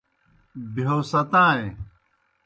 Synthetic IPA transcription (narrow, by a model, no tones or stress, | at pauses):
bioːsɐt̪ãːe